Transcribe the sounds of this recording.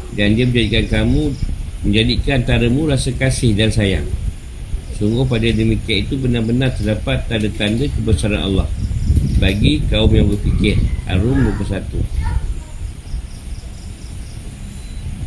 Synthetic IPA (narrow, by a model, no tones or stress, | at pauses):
dandiəməɲd͡ʒadikankamũməɲd͡ʒadikant̪aɾəmũɾasakasɪhdansaja̰ | suŋɡʊhpadadəmikianit̪ubənarbənart̪ərdapat̪ːadət̪andəkəbəsaɾa̰nʔa̰lːɑ̰hbaɡikaumjaŋbəpikɪrha̰ɾʊmdukəsat̪ṵ